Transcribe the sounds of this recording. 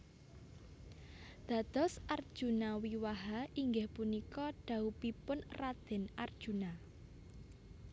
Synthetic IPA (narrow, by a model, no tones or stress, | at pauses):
d̪̥ä̤d̪̥ɔ̤sʔard̥ʒ̥ṳnawiwaɦaʔiŋɡehpunikɔɖ̥a̤upipʊnrad̪̥ɛ̤nard̥ʒ̥ṳna